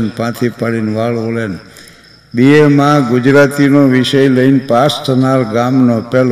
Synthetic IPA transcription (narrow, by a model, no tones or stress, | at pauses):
npãt̪ʰipaɭinʋaɭolen | biemãɡʊd͡ʒɾat̪inoʋiʃəjləinpasʈʰənalɡamnopɛl